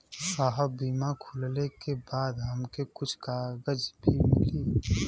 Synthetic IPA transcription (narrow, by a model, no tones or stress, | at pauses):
kaɦabiːmakʰʊllekebaːd̪ɦəmkekʊt͡ʃʰkaːɡəd͡ʒbʱimɪ̰liː